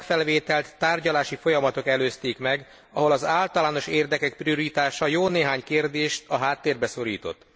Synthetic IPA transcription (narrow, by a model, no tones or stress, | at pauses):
kfɛlveːt̪ɛlt̪ːaːrɟɒlaːʃifo̞jɒmɒt̪o̞kɛløːst̪eːkmɛɡ | ɒɦo̞lɒzaːlt̪ɒlaːno̞ʃeːrd̪ɛkɛk̚prio̞ɾit̪aːʃɒjoːneːɦaːɲkeːrd̪eːʃt̪ɒɦaːt̪ːeːrbɛso̞ɾḭːt̪o̞̰t̪ː